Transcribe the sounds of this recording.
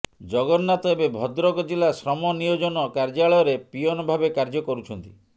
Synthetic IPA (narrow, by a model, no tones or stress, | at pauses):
d͡ʒɔɡɔːat̪ɔebebʱɔd̪ɾɔkɔd͡ʒilasɾɔmɔnijod͡ʒɔnɔkaɾd͡ʒaɭɔɔɾepijɔnɔbʱabekaɾd͡ʒɔkɔɾut͡ʃʰɔnt̪i